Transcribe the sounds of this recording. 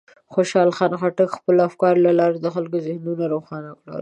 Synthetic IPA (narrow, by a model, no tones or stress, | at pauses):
xoʃɑlxɑnaxaʈakxpəlafkɑɾlalɑɾed̪əxalkozɪhnunaɾoxɑnawla̰ɾ